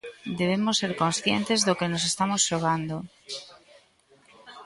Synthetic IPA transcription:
d̪eβ̞emosːeɾkonsθjent̪ezðokenosest̪amosʃoɣ̞and̪o

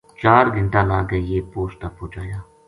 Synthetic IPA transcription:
t͡ʃaːɾɡənʈ̪aːlaːɡəjeːpoːst̪aːpoːd͡ʒaːjaː

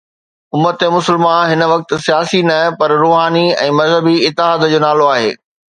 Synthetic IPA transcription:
ʊmːət̪emʊsəlmãɦɪnəʋɐk̚t̪ɪ̆sijaːsinɐpɐɾɾoːɦaːniɛ̰̃ːmɐzɦəbiɪt̪ːɪɦaːd̪d͡ʑoːnaːloaːɦḛː

